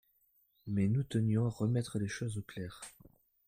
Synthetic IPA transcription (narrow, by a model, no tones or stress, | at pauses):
mɛnut̪ənjɔ̃aʁəmɛt̪χəleʃozoplɛːʁ